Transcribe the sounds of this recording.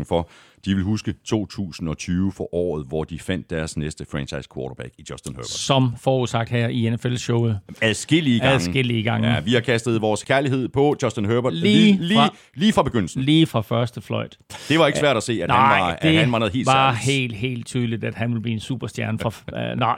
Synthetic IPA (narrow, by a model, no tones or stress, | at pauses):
fɒ̽d̥iʋe̝lɦusɡ̥ət͡sʰo̝̰ːt͡sʰṵːsn̩ɒ̽t͡sʰyːʊəfɒ̽ʔɒ̰ːð̞̩ˠʋɒd̥ifæn̰d̥ːæɐsnesd̥əfʁɛ̃nt͡ɕʰɑ̈ɪskʰʋɒːɾɐb̥æɡ̥id̥jɒsd̥nhø̰b̥sɒ̽mfɒːusɑ̈ɡ̥d̥hæɐ̰ienefelɕɔʊð̩ˠæðˠsɡ̥e̝l̰iə̥ð̩ˠŋsɡ̥e̝l̰iəɡ̥ɑ̈ŋəʋihɑ̈kʰæsd̥ð̞̩ˠʋɒːskʰæɐliɦe̝ð̞̰ˠpʰɒ̽d̥jɒsd̥enɦøb̥ɐ̥liːli | liːfʁɑ̈b̥e̝ɡ̥øn̰l̩sn̩liːfʁɑ̈fɶɐsd̥əflɒ̽ɪ̰d̥d̥e̝ʋɑ̈e̝ɡəsʋæɐ̰ɾ̥æse̝̰ːænæɑɑɪ̈d̥e̝hænʋɑ̈nɛð̩ˠhe̝ːlʋɑ̈he̝̰ːld̥ɦe̝̰ːld̥̚t͡sʰyːð̞ˠəlid̥æd̥ɦænʋe̝ləb̥liːensṵːb̥ɐsd̥jæɐnfʁɑ̈ɑɪ